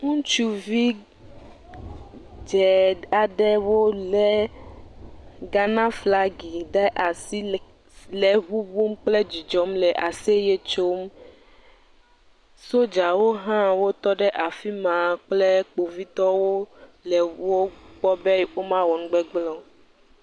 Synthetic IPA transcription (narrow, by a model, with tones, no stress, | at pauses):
ŋũ˦t͡ʃu˦vi˦ | d͡ʒɛ˨a˨ɖɛ˦wo˦lɛ˨ | ɡa˦nã˦fla˦ɡi˨ɖɛ˦ʔa˨si˦ | lɛ˨ɦu˦bu˦m˦k͡ple˦d͡ʒi˨d͡ʒɔ˨˦mlɛ˨ʔa˨se˦je˦t͡ʃo˦m | so˦d͡ʒa˨wo˦ɦã˦wo˦t̪ɔ˦ɖɛ˦ʔa˨fi˦mã˨k͡ple˦k͡po˨vi˦t̪ɔ˦wo˦lɛ˨wo˦k͡pɔ˦bɛ˦wo˦mã˦wɔ˨nũ˦ɡ͡bɛ˦ɡ͡blɔ˦